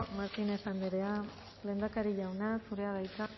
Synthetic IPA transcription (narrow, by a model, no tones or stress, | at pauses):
maɾt̪inesand̪eɾea | le̞ːnd̪akaɾiʎawnasuɾe̞aðajt̪a